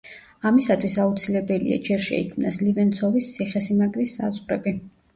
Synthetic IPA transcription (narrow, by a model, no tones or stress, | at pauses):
amisat̪ʰwisaut̪sʰilɛbɛlḭa̰d͡ʒɛɾʃɛ̰ikʰmnaslivɛnsʰɔvist̪sʰiχɛsimaɡɾisːa̰zʁɾɛ̰bi